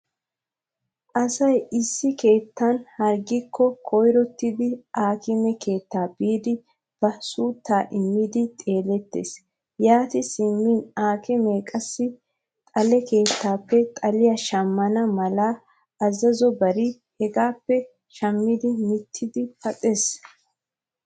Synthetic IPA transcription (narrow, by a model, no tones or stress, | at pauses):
ʔɐsɐjɪsːɪke̞ːt̪ːɐnhɐɾɡɪkʰːɔkʰɔjɾɔt̪ːɪd̪ɪʔaːkɪmɛkʰe̞ːt̪ːaːbiːd̪ɪ | b̥ɐsuːt̪ːaːʔɪmːɪd̪ɪt̪ʼe̞ːlɛt̪ːḛːs | jaːt̪ɪsɪmːiːnaːkɪmeːkʼɐsːɪ | t̪ʼɐlɛke̞ːt̪ːaːpːɛt̪ʼɐlɪjɐʃɐmːɐnɐmɐlaː | ɐzɐzɔbɐɾɪ | hɛɡaːpːɛ | ʃɐmːɪd̪ɪmɪt̪ʰːɪd̪ɪfɐt̪ʼeːs